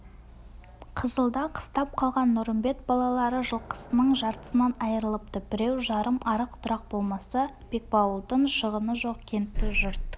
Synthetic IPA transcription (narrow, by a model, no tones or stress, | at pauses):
qʰəzəlˠd̪ɑqʰə̥st̪ɑp̚qʰɑlˠʁɑnːʊɾəmbe̞t̪̚bɑlˠɑlˠɑɾəʒəlˠqʰə̥sənəɴʒɑɾt̪ə̥sənɑnɑjəɾəlˠəpt̪əbɪɾewʒɑɾəmʔɑɾəqt̪ʰʊɾɑq̚bo̞lˠmɑsɑ | b̥e̞k̚bɑwlˠd̪əɴʃəʁənəʒo̞qkʲʰe̞nt̪ːɪʒʊɾt̪ə